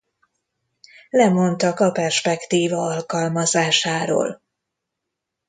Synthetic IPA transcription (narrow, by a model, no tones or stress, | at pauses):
lɛmo̞nt̪ɒkɒpɛrʃpɛkt̪iːvɒɒlkɒlmɒzaːʃaːɾo̰ːl